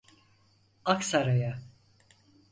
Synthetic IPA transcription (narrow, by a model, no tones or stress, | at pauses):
aksaɾaja